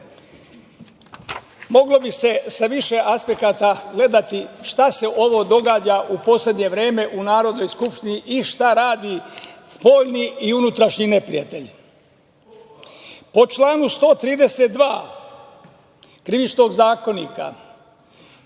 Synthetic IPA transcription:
mo̞ɡlo̞bise̞saʋiʃe̞ʔaspe̞kat̪aɡle̞d̪at̪iʃt̪ase̞ʔo̞ʋo̞d̪o̞ɡaːd͡ʒaʔupo̞sle̞d̪ɲe̞ʋɾe̞ːme̞ʔunaːɾo̞d̪no̞jskupʃt̪iniʔiʃt̪aɾaːd̪ispo̞ːʎniiunut̪ɾaʃɲine̞pɾḭjat̪e̞ʎ | po̞t͡ʃlˠaːnust̪o̞ːt̪ɾiːd̪ese̞t̪̚d̪ʋaː | kɾiʋit͡ʃno̞ɡzaːko̞niːka̰

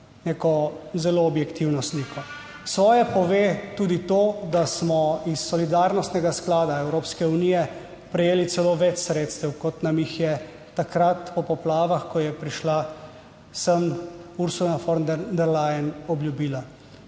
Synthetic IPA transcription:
neːkɔzɛloɔbjɛkt̪iwnɔsniːkʰɔ | sʋɔːjɛpɔʋeːt̪uːd̪it̪oːd̪asmɔisːɔlid̪aːɾnɔst̪nɛɡasklaːd̪aɛwɾoːpskɛunijɛ | pɾɛjeːlit̪sɛloːʋɛt͡ʃsɾeːt̪st̪ɛwkɔt̪namjixjɛ | t̪akɾat̪pɔpɔplaːʋaxkɔjɛpɾiʃla | səmuɾsunafɔɾnnd̪ɛɾlajɛnɔbljubiːla

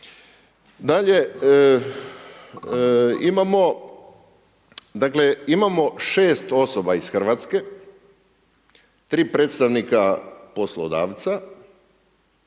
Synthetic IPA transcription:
d̪aʎe | imamo | d̪akle̞imamo̞ʃe̞ːst̪o̞sobaisxr̩ʋat̪ske̞ | t̪ɾiːpɾeːt̪st̪aʋnikapo̞slˠod̪a̰ːʋt̪sa

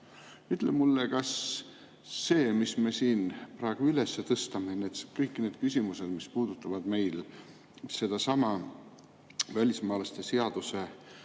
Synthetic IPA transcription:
yt̪ːˑlemulːekɑsː | e̞ːmisme̞siːnpɾɑeɡ̥uylesːet̪ɤst̪ɑme̞net̪skɤjkːˑine̞ːd̪̥kysʲimuse̞d̪̥mispuːd̪̥ut̪ːˑɑvɑd̪̥me̞jl | se̞d̪̥ɑsɑmɑ | vælʲismɑːlɑst̪e̞se̞ɑd̪̥use̞

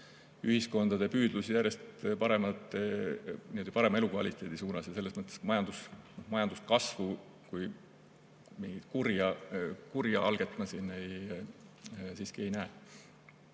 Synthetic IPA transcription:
yhisko̞nd̪̥ɑd̪̥e̞pyːd̪lusijæɾrje̞st̪pɑɾe̞mɑt̪ːˑenied̪ɑpɑɾe̞mɑe̞lukvɑlʲit̪ːˑe̞ːd̪isuːnɑsjɑse̞lːesmɤt̪ːˑesmɑjɑnd̪̥usnohmɑjɑnd̪̥uskɑsvu | kuj | miŋɡ̥it̪kurjɑkurjɑʔɑlɡ̥e̞t̪ːˑmɑsinːej | siːskie̞jnæe

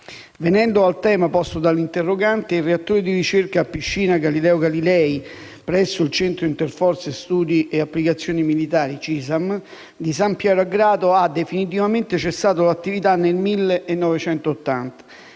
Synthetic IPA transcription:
venɛnd̪oalt̪ɛːmapɔst̪od̪alːint̪erːoɡant̪eireat̪ːoːɾed̪irit͡ʃerkaːpːiʃːiːnaɡalilɛːoɡalilɛːi | pɾɛsːoilt͡ʃɛnt̪ɾoint̪erfɔrt̪sest̪uːd̪iʔeapːlikat̪sːjoːnimilit̪aːɾit͡ʃisam | d̪isampjɛːɾoaɡɾaːd̪oad̪ːefinit̪̬ivament̪et͡ʃesːaːt̪olat̪ːivit̪anːelmilːeʔːnːɔvet͡ʃɛnt̪oːt̪ːa̰nt̪ḁ

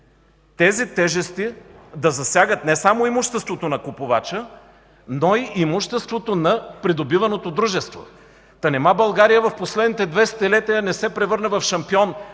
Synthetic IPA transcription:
t̪ɛzit̪ɛʒɛst̪id̪ɐzɐsʲjaɡət̪nɛsamoimuʃt̪ɛst̪vot̪onɐkopʊvat͡ʃə | noiʔimuʃt̪ɛst̪vot̪onɐpɾid̪obivɐnot̪od̪ɾuʒɛst̪vo̰ | t̪ɐnɛmabɐlˠɡaɾijəvɐfposlɛd̪nit̪ɛd̪vɛst̪ɛlɛt̪iənɛsɛpɾɛvɤɾnɐvɐfʃɐmpiɔn

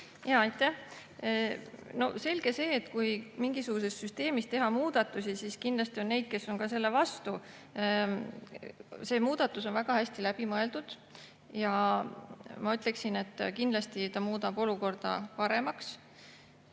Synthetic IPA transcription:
jɑːɑjt̪ˑːæh | no̞se̞lʲɡ̥e̞se̞ːt̪ːkujmiŋɡisuɡ̥use̞st̪syst̪e̞ːmist̪e̞ɦɑmuːd̪̥ɑt̪ːˑusisiskind̪lɑst̪io̞nːe̞jd̪̥̚ke̞sːo̞nkɑse̞lːe̞vɑst̪u | se̞ːmuːd̪̥ɑt̪ːˑuso̞nvæɡ̥ɑhæsʲt̪ilæb̥imɤe̞ld̪ud̪̥ | jɑ | mɑyt̪ːˑle̞ksine̞t̪ːˑkind̪lɑst̪it̪ɑmuːd̪ɑbo̞luko̞rd̪̥ɑ̰pɑɾe̞mɑks

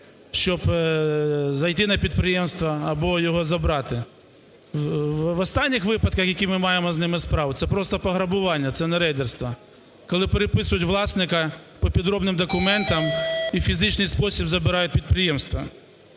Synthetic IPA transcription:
ʃt͡ʃɔb | zɐjt̪ɪnɐpʲid̪pɾɪjɛmst̪ʋɐːbɔjɔɦɔzɐbɾɑt̪ɪ | ʋɔst̪ɑnʲːɪxʋɪpɐd̪kɐxjɐkʲimɪmɑjemɔznɪmɪspɾɑʋʊt̪sɛpɾɔst̪ɐpɐɦɾɐbʊʋɑnʲːɐt̪sɛnɛɾɛjd̪erst̪ʋɐ | kɔlˠɪpeɾepɪsʊjʊtʲʋlˠɑsnɪkɐpɔpʲid̪ɾɔbnɪmd̪ɔkʊmɛnt̪ɐmifʲizɪt͡ʃnɪjspɔsʲibzɐbɪɾɑjʊt̚ʲpʲid̪̚pɾɪjɛmst̪ʋɐ

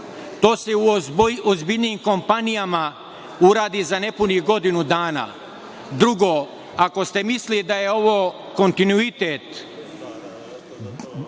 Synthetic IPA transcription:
t̪o̞ːseuozbiʎnimko̞mpanijama | uɾaːd̪izane̞puniɡo̞d̪inud̪aːna̰ | d̪ɾuɡo | ako̞st̪e̞mislid̪aje̞o̞ʋoː | ko̞nt̪inuit̪et̪

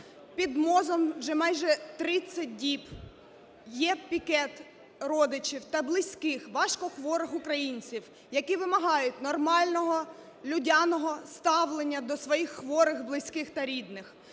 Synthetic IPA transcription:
pʲid̪mɔzɔmʒɛmɑjʒɛt̪ɾɪt͡sʲːɐt̚ʲdʲip | jɛpʲikɛt̪ | ɾɔd̪ɪt͡ʃiwt̪ɐblˠɪsʲkɪxʋɑʃkɔxʋɔɾɪxʊkɾɐjinʲt͡sʲiw | jɐkiʋɪmɐɦɑjʊtʲnɔrmɑlʲnɔɦɔ | lʲʊdʲɑnɔɦɔst̪ɑʋlˠenʲːɐd̪ɔsʋɔjixːʋɔɾɪxblˠɪsʲkɪxt̪ɐɾʲid̪nɪx

